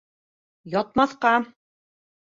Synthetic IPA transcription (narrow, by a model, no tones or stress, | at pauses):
jɒt̪̚mɑθqɑ